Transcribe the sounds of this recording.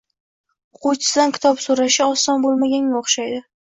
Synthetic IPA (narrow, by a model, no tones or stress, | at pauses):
qʰot͡ʃɪ̥sɪd̪ankʲʰɪ̥t̪ʰɒpsoɾaʃɪɒsɒnbolˠmaɡʲanaoχʃajd̪ɪ